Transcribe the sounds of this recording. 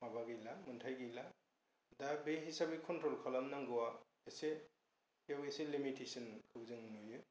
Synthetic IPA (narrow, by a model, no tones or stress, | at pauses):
mabaɡɯjlamɯntʰajɡɯjla | dabeɦisabikʰɔntɾɔlkʰɔlamnaŋɡɔwa | ese | kjaweselimitʰesɔnkʰɯwzɯŋnujɯ